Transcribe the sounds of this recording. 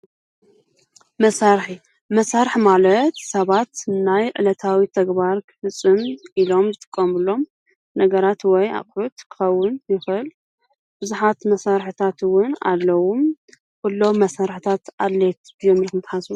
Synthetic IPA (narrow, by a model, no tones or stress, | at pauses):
mɐsaɾħi | mɐsaɾħmalɐt̪sɐβat̪najʕɨ̰lɐt̪ʰawit̪ʰɐɡbaɾkʰɨ̥fɨt͡sʼːɨmʔilo̞mzɨt̪ʼɨ̥kʼːɐmɨlːo̞m | nɐɡɐɾat̪wɔja̰χʼħut̪kʰɨ̥xɐwːʊnjɪxɨl | bɨzuħat̪mɐsaɾħɨt̪ʰat̪wʊna̰lːɐwum | kulːo̞mːɐsaɾħɨt̪ʰat̪ʔalːet̪bɨjomilkʰɨmt̪ʰħasu